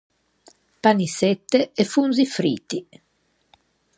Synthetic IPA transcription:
panisɛt̪ːeefunzifɾiːt̪i

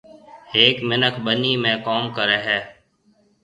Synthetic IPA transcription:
heːkmɪnəkʰɓəniːmẽːkoːmkəɾɛːɦɛː

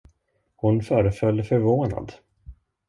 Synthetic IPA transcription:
hʊnfœːɾəfœlːəfœɾvoːna̰d̪

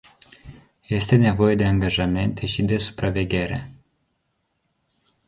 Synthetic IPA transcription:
jɛst̪ɛnʲavɔjɛd̪ɛaŋɡaʐamɛnt̪ʰɛɕid̪ɛsu̥pɾavʲɛɡʲɛɾɛ̰

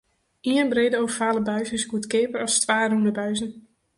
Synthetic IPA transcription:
ʔiənbreːdəowvəfaːləbœɥzɪsɡutkɪːpəɾɑstʋaːrundəbœɥzən

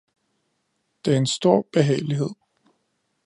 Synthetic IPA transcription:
d̥e̝æɐensd̥o̝ɐ̰b̥e̝ɦɛ̰ːɪliɦe̝ð̰ˠ

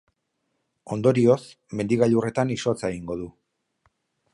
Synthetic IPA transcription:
o̞nd̪o̞ɾio̞s | me̞nd̪iɣaʎure̞t̪aniso̞t͡saeɣiŋɡo̞ðu

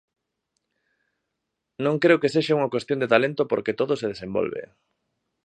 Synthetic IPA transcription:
nõŋkɾeokeseʃauŋɐkwest̪jond̪et̪alent̪opoɾket̪oðoseðesembo̰lβḛ

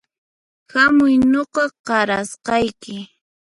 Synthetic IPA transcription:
xamʊjnoqɑɢɑɾasqɑjkɪ

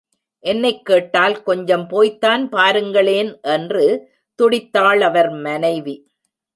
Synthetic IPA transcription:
ʔɛnːɐɪkːeːʈːaːlkɔɲd͡ʒɐmpoːjt̪ːaːnpaːɾɯŋɡɐɭeːnʔɛndrɯ | t̪ʊɽɪt̪ːaːɭɐʋɐɾmɐnɐɪʋi

